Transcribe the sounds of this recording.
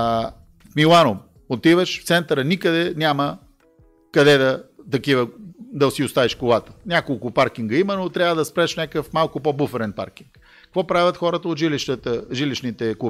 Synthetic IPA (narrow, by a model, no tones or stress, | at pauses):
kmilˠanom | ot̪ivəʃft̪sɛnt̪əɾənikəd̪ɛnʲamə | kɐd̪ɛd̪ɐt̪ɐkivəd̪ɐsiʊst̪aviʃkolˠat̪ə̥nʲakolˠkʊpaɾk̟iŋɡəimənot̪ɾʲjavəd̪ɐspɾɛʃnʲakəfmalˠkʊpobufɛɾɛnpa̰ɾk̟iŋk | ɐkvɔpɾavʲjət̪xɔɾət̪əot̪ʒiliʃt̪ət̪əʒiliʃnit̪ɛku